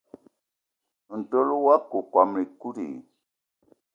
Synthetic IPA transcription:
n˨to˦lu˦wa˦ku˨kʷa˨me˨ku˦ɾḭ˨

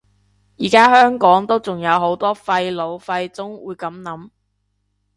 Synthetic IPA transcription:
jiː˨˩kaː˥hœː˥ŋkɔː˨˥ŋt̪o˥wt͡sʊ˨ŋjɐ˨˧wɦo˨˥wt̪ɔː˥fɐ˧jlo˨˧wfɐ˧jt͡sʊ˥ŋwuː˨˧jkɐ˨˥mnɐ˨˥m

